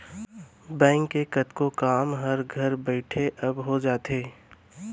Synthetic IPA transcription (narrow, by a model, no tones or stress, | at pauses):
bɛ̃ːŋkːekɐt̪kokaːmɦɐɾɡʱɐɾbɛɪʈʰeʔɐbɦod͡ʒaːt̪eː